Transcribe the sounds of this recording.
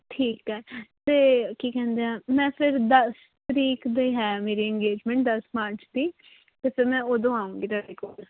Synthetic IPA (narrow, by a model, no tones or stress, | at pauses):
ʈʰiːkɦɛːt̪eːkiːkɛ̃ːnd̪eːaːmɛ̃ːpʰɪɾd̪əs | t̪əɾiːkd̪iːɦɛːmeːɾiːə̃ŋɡeːd͡ʒmɛ̃ːɳʈ̚d̪əsmaːɾt͡ʃd̪iː | t̪epemɛ̃ːoːd̪õːaːũːɡiːt̪aːɽeːkoːl